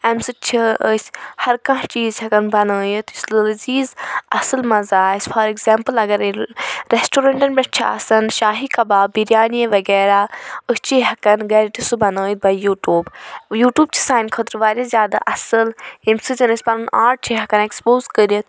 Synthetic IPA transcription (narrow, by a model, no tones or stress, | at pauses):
ɐmsɨt͡ʃʰiəsʲhɐɾkɐ̃ɦt͡ʃiːzhɐkɐnbɐnəːjit̪ʰislɨlziːzɐsɨlmɐzaːsʲfʰɐɾeɡzeːmpɨlɐɡɐɾɾesʈoːɾɐɳʈɐnbʲɐt͡ʃʰiɐ̰sɐnʃaːɦikɐbaːbiɾjaːnijeʋɐɡɛːɾaːɨst͡ʃiɦɐkɐnɡɐːɾiʈ̪isubɐnəːjt̪̚bɐjuːʈuːbjuːʈjuːb̚t͡ʃʰi̥saːjnkʰət̪ɾʋaːɾʲazʲjaːd̪a̰ʔɐsɨlhimsɨzɐnəsʲbɐnunaːɾʈ̚t͡ʃʰiɦɐkɐnekspoːzkəɾiɐt̪̚